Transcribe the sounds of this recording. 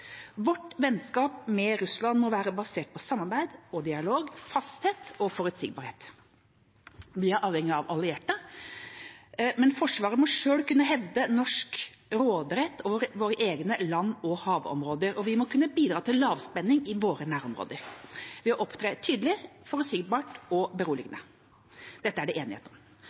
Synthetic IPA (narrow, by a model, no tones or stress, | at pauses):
ʋɔʈʋɛnskɑːp̚mɛɾʉslɑnmɔʋæːɾəbɑseːʈ̚pʰɔsɑmːɑɾbæɪd̪ɔd̪ɪɑloːɡfɑst̪heːt̪ɔfɔɾʉt̪sɪːɡ̚bɑɾheːt̪ | ʋɪæɾʔɑːʋɛŋːɪɑʋɑlɪeːʈːə | mɛnfɔʂʋɑːɾəmɔʂøːlkʉnːəɦɛʋd̪ənɔʂk | ɾoːd̪ɾɛt̪ːɔɾʋoːɾəʔeːɡnəlɑnːɔhɑːʋɔ̰mɾoːd̪əɾɔʋɪmɔkʰʉnːəbiːd̪ɾɑːt̪ʰɪllɑːʋspɛnːɪŋɪʋoːɾənæːɾɔmɾo̰ːd̪əɾʋɪmɔʔɔpt̪ʰɾeːt̪ʰyːd̪əlɪfɔɾʉt̪sɪɡbɑːʈɔbəɾuːlɪɡənə | d̪̥ɛt̪ːəæɖɛʔeːnɪhḛt̪n